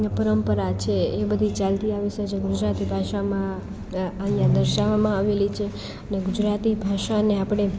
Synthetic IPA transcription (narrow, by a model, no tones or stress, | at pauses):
pəɾəmpəɾat͡ʃʰeːbəd̪ʱit͡ʃalt̪iaʋised͡ʒeɡud͡ʒɾat̪ibʱaʃamã | ənjãd̪əɾʃaʋamãaʋelit͡ʃʰe | əneɡud͡ʒɾat̪ibʱaʃaneapɽ̃e